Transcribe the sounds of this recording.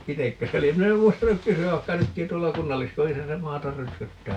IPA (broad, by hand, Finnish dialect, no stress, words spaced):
itekːø se lie min em muistɑnuk kysyæʋ ʋɑikːɑ nytkĩː tuolːɑ kunːɑlːiskojisɑ se mɑːtɑr røtkøtːæː